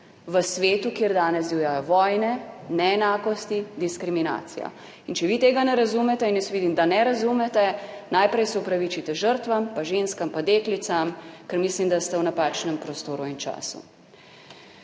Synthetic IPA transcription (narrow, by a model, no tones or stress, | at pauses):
ʋəsʋeːt̪ukjeɾd̪aːnɛzdijajɔʋɔjnɛnɛːnaːkɔst̪id̪iskɾimina̰ːt̪sḭja̰ | int͡ʃɛʋiːt̪eːɡanɛɾazumɛt̪ɛinjɛsʋiːd̪imd̪anɛɾazumɛt̪ɛnajpɾɛjsɛupɾaʋit͡ʃit̪ɛʒəɾt̪ʋampaʒenskampad̪eːklit̪samkɛɾmislimd̪ast̪ɛwnapaːt͡ʃnɛmpɾɔst̪oːɾuint͡ʃa̰ːsṵ